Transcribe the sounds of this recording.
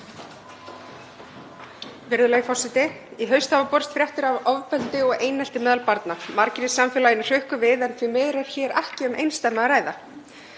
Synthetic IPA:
vɪɾðʏlɛːɣɪfɔsɪt̪ɪ | iɦœɥst̪havapɔɾ̥st̪fɾjaht̪ʏɾavɔvpɛlt̪ɪɔɣeːjnɛl̥t̪ɪmɛːðalpaɾt̪namaɾcɪɾɪsːamfɛːlajɪnʏr̥ʏhkʏvɪðɛnθvimɛðɾɛɾ̥çɛːɾa̰hcɪʏmʔḛjnst̪amːaaɾaːjða

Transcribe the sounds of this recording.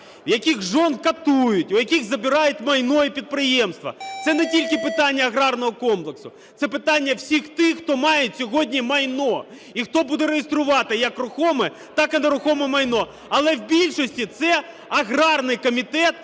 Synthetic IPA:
jɐkʲixʒɔnkɐt̪ujʊtʲʊjɐkʲiɣzɐbʲɪɾɑjʊt̚ʲmɐjnɔjɛpʲid̪̚pɾɪjɛmst̪ʋɐ̰t̪sɛnɛtʲilʲkɪpɪt̪ɑnʲːɐɐɣɾɑrnɔɦɔkɔmplˠeksʊ | t̪sɛpɪt̪ɑnʲːɐwsʲixt̪ɪxːt̪ɔmɑjetʲsʲɔɦɔdʲnʲimɐjnɔ | ixt̪ɔbud̪ɛɾejest̪ɾʊʋɑt̪ɪjɐkrʊxɔmɛ | t̪ɑkɪnɐɾʊxɔmɛmɐjnɔ | ɐlˠɛwbʲilʲʃɔsʲtʲit̪sɛ | ɐɣrɑrnɪjkɔmʲit̪ɛt̪

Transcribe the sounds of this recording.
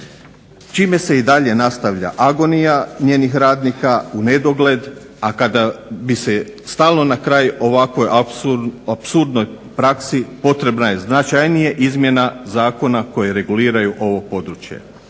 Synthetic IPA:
t͡ʃiːme̞se̞id̪aʎe̞nast̪aʋʎa̰ʔaɡo̞nijaɲjeːnixɾaːd̪nikaune̞d̪o̞ɡle̞d̪ | akad̪abise̞ | st̪aːlno̞nakɾaːjo̞ʋakʋo̞j | apsuɾd̪no̞j | pɾaksipo̞t̪ɾe̞bnaje̞znat͡ʃajnijeʔizmje̞nazaːko̞nako̞jeɾe̞ɡuliːɾajuʔo̞ʋo̞po̞d̪ɾut͡ʃje̞̰

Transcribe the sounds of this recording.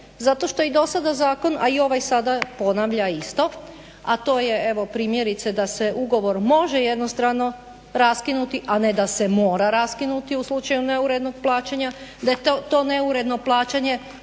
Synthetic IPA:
zat̪o̞ʃt̪o̞id̪o̞sad̪azaːko̞na̰io̞ʋajsad̪apo̞naʋʎaist̪o̞ | at̪o̞ːje̞e̞ʋo̞pɾiːmje̞ɾit̪sed̪aseʔuɡo̞ʋo̞ɾmo̞ʒejed̪nost̪ɾano̞ | ɾaskinut̪iʔaned̪ase̞mo̞ːɾaɾaskinut̪iuslˠut͡ʃajune̞uɾe̞d̪no̞ɡ̚plˠaːt͡ɕaɲad̪ajet̪t̪o̞ːne̞uɾe̞d̪no̞plˠaːt͡ɕaɲe̞

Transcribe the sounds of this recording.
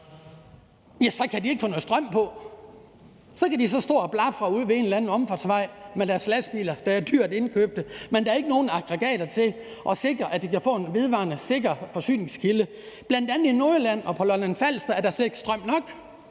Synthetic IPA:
jæsɒ̽kʰædie̝ɡ̥fɔ̽ːnːð̩sd̥ʁɶm̰pʰɒ̽ | sɒ̽kʰæd̥isɒ̽sd̥o̝̰ːɒb̥lɑfʁɑuð̰ˠʋe̝e̝nlænð̩ˠɒ̽mfɒ̥sʋɑ̈ɪ̰med̥æɐslæsb̥ḭːlɐd̥ɑæɐd̥yɐ̰d̥e̝nkʰø̰ːb̥̚d̥əmend̥ɑæɐe̝ɡ̥əno̝ːn̩ɑ̈ɡ̥ʁeɡ̥ɛ̰ːɾ̥ɐt͡sʰe̝ʔɒ̽se̝ɡ̥ʁɐʔæd̥ikæfɔ̰̽ːe̝nʋe̝ð̞ˠʋɑ̰̈nəse̝ɡ̥ɐfɒ̽sy̰ːne̝ŋskʰilə | b̥læn̰d̥ænð̩ˠinoːlæn̰ɒ̽pʰɒ̽lɒnænfæl̰sd̥ɐæɐd̥ɑseɡ̥sd̥ʁɶm̰nɒ̽ɡ̥

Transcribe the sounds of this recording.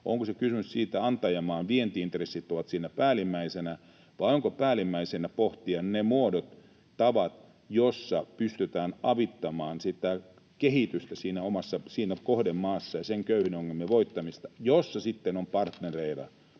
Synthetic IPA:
o̰ŋkosekysymyssiːt̪æɑnt̪ɑjɑmɑːnʋient̪iint̪resːit̪ːoʋɑt̪siːnæpæːlimːæisenæ | ʋɑioŋkopæːlimːæisenæpoht̪iɑnnemuodot̪ | tɑʋɑt̪ | josːɑpyst̪yt̪æːnɑʋit̪ːɑmɑːnsit̪æ | kehit̪yst̪æsiːnæomɑsːɑsiːnækohdemːɑːsːɑjɑseŋkøyhynoŋːelmiʋoit̪ːɑmist̪ɑ̥josːɑsit̪ːenompɑrt̪nereirɑ̰

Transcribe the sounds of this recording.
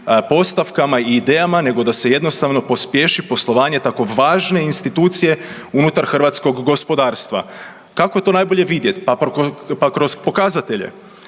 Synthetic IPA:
po̞st̪aʋkamaiːd̪eːjamane̞ɡo̞d̪ase̞je̞d̪nost̪aʋno̞po̞spje̞ʃipo̞slˠo̞ʋaːɲe̞t̪ako̞ʋaːʒne̞inst̪it̪uːt̪sije̞ | unut̪aɾxr̩ʋat̪sko̞ɡːo̞spo̞d̪aːɾst̪ʋa̰ | kako̞je̞t̪o̞najbo̞ʎeʋid̪je̞t̪papakɾo̞spo̞kazat̪eʎḛ

